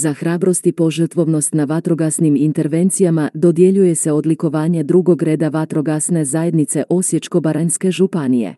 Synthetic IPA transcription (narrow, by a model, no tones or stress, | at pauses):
zaxɾaːbɾo̞st̪ipo̞ʒər̩t̪ʋo̞ʋno̞st̪naʋat̪ɾo̞ɡasnimint̪e̞ɾʋe̞nt̪sijamad̪o̞d̪je̞ʎuje̞seo̞d̪liko̞ʋaːɲed̪ɾuɡo̞ɡɾe̞ːd̪aʋat̪ɾo̞ɡasne̞zaːjed̪nit̪se̞ʔo̞sje̞t͡ʃko̞baɾanske̞ʒupanijḛ